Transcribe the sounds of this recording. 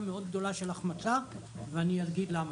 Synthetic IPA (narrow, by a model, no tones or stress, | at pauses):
meo̞d̪̚ɡ̚d̪o̞laʃelaχmat͡sa | veanijaɾɡid̪lam